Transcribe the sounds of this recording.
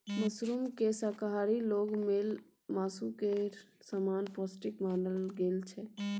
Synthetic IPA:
məsɾumkesaːkaɦaːɾiloːɡmeːl | maːsukesaːmaːnpaːsʈɪkmaːɳɖəlɡeːlt͡ʃʰɛ

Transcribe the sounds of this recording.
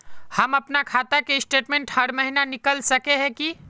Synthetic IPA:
həməpnakʰat̪akesʈeʈmẽɳʈhəɽməɦinanikəlsəkeɦɛ̃ki

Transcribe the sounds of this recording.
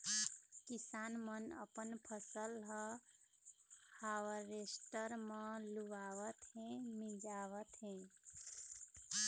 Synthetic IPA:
kisanmənə̰pənpʰəsəlɦə | haʋəɾesʈəɾmə̃luʋaʋət̪ɦẽmid͡ʒaʋət̪ɦẽ

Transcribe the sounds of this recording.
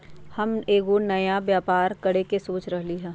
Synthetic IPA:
hɐmeːɡonɐjabjaːpaːɾkɐɽekesoːt͡ʃɾɐɦliɦɛː

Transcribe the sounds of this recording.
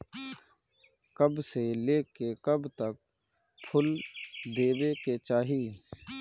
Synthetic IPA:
kəbseleːkekəbt̪ək̚ | pʰʊld̪eːbeket͡ʃaːɦiː

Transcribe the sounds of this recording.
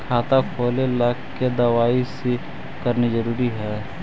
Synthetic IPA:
kʰaːt̪akʰoːleləkked̪ɐʋaːise | kəɾnizəɾuːɾiɦɛː

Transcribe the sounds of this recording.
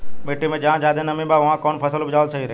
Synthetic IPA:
meːʈimẽd͡ʒaɦãd͡ʒaːd̪ʱẽnɐmĩbaʋɐɦãkɔːnpʰəsəlbd͡ʒaːʋəlsəɦiɾe

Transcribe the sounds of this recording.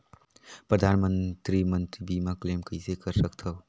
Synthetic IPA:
pɾəd̪ʱaːnmənt̪ɾimə̃nt̪ɾibʱimãkleːmkəisekəɾsəkt̪ʰao

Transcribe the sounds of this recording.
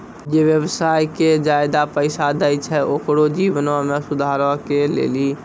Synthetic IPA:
d͡ʒeʋjəbsaːjked͡ʒaːjd̪apəɪsad̪əjt͡ʃʰɛokɽod͡ʒiʋənʋamẽsʊd̪ʱaːɾəkelḛːli

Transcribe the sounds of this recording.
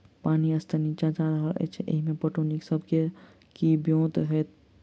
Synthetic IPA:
paːniɐst̪ʰəniːt͡ʃad͡ʒaːd̪aɦəʔḛt͡ʃʰeʔḛɦimẽpəʈoːniksəbke | kibjõːt̪ɦɛ

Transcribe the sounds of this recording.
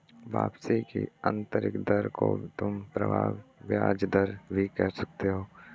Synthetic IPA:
baːbsikḭə̰̃nt̪əɾɪ̰kd̪əɾkot̪ʊmpɾɐbʱaːʋːjaːd͡ʒd̪əɾbʱikɛɦsɐk̚t̪eɦoː

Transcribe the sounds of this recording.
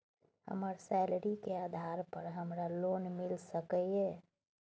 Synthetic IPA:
hə̰məɾsɛlɾikead̪ʱaɾpəɾɦəmɾalonmilsəkəe

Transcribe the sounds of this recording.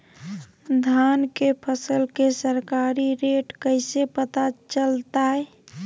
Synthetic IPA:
d̪ʱankepʰəsəlkesəɾkaɾiɾeʈkəɪsepət̪at͡ʃəlt̪aɛ

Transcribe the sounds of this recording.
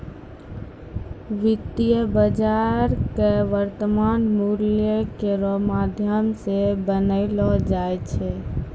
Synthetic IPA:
ʋit̪ijəbəd͡ʒaɾkeʋəɾt̪əmanmuljəkeɾɔmad̪ʱjəmsebənəɪlɔd͡ʒajt͡ʃʰɛ

